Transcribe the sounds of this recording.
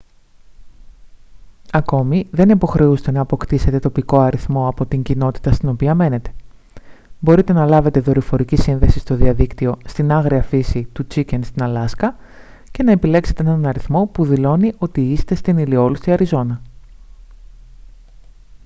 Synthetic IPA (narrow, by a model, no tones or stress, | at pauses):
ɐko̞miðe̞nipo̞xɾe̞ust̪e̞nɐːpo̞kt̪ise̞t̪e̞t̪o̞piko̞ɐɾiθmo̞ɐpo̞t̪iɲɟino̞t̪i̥t̪ɐst̪ino̞piɐme̞ne̞t̪e̞̥ | bo̞ɾit̪e̞nɐlɐve̞t̪e̞ðo̞ɾifo̞ɾicisinðe̞sist̪o̞ðiɐðikt̪io̞st̪inɐɣɾiɐfisit̪ut͡sice̞nst̪inɐlɐskɐ | ce̞nɐe̞pile̞kse̞t̪enɐnɐnɐɾiθmo̞puðilo̞niʔo̞t̪iist̪e̞st̪inilio̞lust̪iɐɾizo̞nɐ